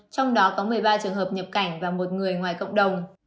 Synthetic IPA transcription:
t͡ɕɔ˧wŋ͡mɗɔ˨˦kɔ˨˦mɨ˨˩əjɓaː˧t͡ɕɨ˨˩əŋɦəː˨˩p̚ɲə˨˩p̚ka˧˩jŋ̟vaː˨˩mo˨˩t̚ŋɨ˨˩əjŋwaː˨˩jkə̰˧˨wŋ͡mɗə˨˩wŋ͡m

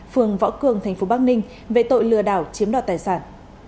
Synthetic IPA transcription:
fɨ˨˩əŋvɔ̰˧˥wkɨ˨˩əŋt̪ʰɛ˨˩jŋ̟fo˨˦ɓaː˦˥k̚nï˧ŋ̟ | vḛ˧˨t̪o̰˧˨jlɨ̰˧əɗaː˧˩wt͡ɕi˨˦əmɗaː˧˩t̪aː˨˩jsaː˧˩n

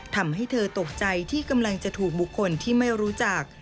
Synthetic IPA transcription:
t̪ʰa˧mɦa˥˩jt̪ʰɤː˧t̪o˨˩k̚t͡ɕa˧jt̪ʰiː˥˩ka˧mla˧ŋt͡ɕa˨˩t̪ʰuː˨˩k̚bu˨˩kʰːo˧nt̪ʰiː˥˩ma˥˩jɾuː˦˥t͡ɕa˨˩k̚

